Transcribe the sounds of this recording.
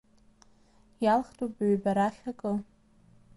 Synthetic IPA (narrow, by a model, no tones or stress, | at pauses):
jalχtʰʼopɥbaɾaχʲakʼɨ